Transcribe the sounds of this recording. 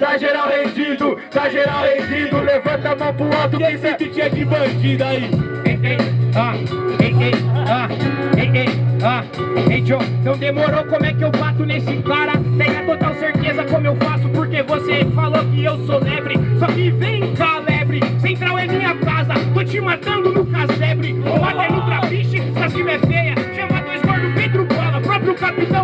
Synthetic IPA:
t̪aʒeɾawhẽd͡ʒid̪ʊt̪aʒeɾawẽd͡ʒĩd̪ʊlevɐ̃nt̪ɐmõpulat̪ʊẽsẽkɪt͡ʃĩɲɐkibɐ̃d͡ʒid̪aiẽk̪ejaẽɡejaẽkeja | ẽjd͡ʒõẽt̪ɐ̃w̃d̪emoɾokõmʊɛkɪewbat̪ʊnesɪkaɾɐt̪ẽj̃ɐt̪ot̪awseɾt̪ezɐkõmʊewfasʊpoɾkevosefalokɪewsolɛbɾɪsɔkɪvẽj̃palɛbɾɪsẽnt̪ɾawẽj̃mĩɲɐkazɐk̪ot͡ʃimat̪ɐ̃nd̪ʊnʊkasɛbɾɪmat̪ẽnũt̪ɾapiʃɪsasivevejɐʃɐ̃mad̪ɛzmɔɾd̪ʊbẽj̃t̪ɾʊpɛlɐpɾɔpɾjʊkapit̪ɐ̃w̃

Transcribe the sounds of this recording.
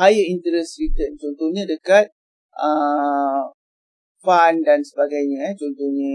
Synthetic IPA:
hajaint̪əɾɛsɾit̪ənt͡ʃɔnt̪ohɲãdəkat̪̚ | ʔə | fandansəbaɡajɲə̃t͡ʃɔnt̪ohɲə

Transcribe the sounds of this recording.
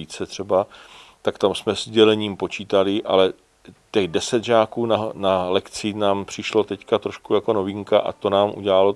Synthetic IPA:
iːt͡sɛt̪r̝̥ɛbat̪akt̪amsmɛzɟɛlɛɲiːmpo̞t͡ʃiːt̪alɪʔa̰lɛ | t̪ɛɣdɛsɛd̪ʒaːkuːnanalɛkt͡sɪnaːmpr̝̥ɪʃlo̞t̪ɛckat̪ɾo̞ʃkujako̞no̞vɪŋkaʔa̰t̪onaːmʔṵɟɛlalo̞

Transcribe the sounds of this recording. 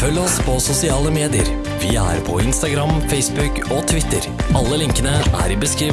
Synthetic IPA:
fœlːəɔspʰɔsʊsɪɑːləmeːd̪ɪə̰ɾ | ʋɪæ̰ɾpʰɔɪnst̪ɑɡɾɑmfɛɪsbʉk | ot̪ʰʋɪt̪ːə̰ɾɑlːəlɪŋkənəʔæ̰ɾɪbəskɾiː

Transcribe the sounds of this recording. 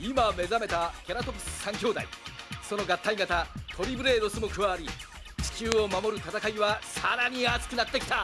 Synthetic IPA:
imame̞zame̞t̪akʲaɾat̪opʲi̥sɨ̥sãŋkʲo̞ːd̪aḭso̞no̞ɡat̪ːaiɡat̪at̪ʰo̞ɾʲibɯ̟ɾe̞ːd̪o̞sɨmo̞kɯβaːɾʲi | t͡ɕi̥t͡ɕɨːo̞mamo̞ɾɯ̟t̪at̪akaiβasaɾaɲ̟iat͡sɨ̥kɯ̟nat̪ːe̞kʲi̥t̪a

